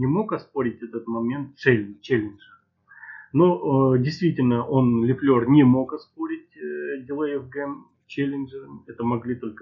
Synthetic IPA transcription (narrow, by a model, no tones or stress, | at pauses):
nʲɪmo̞kɐspo̞ɾʲɪtʲɛt̪ət̪mɐmʲe̞nt̪̚selʲnɨt͡ɕelʲɪnʐəɾ | nodʲɪjst̪vʲitʲɪlʲnəʔo̞nlʲɪflʲornʲɪmo̞kɐspo̞ɾʲɪt̚ʲdʲɪlˠəɪvɡɛm | t͡ɕelʲɪnʐəɾəmʲɛt̪əmɐɡlʲit̪o̞lʲkə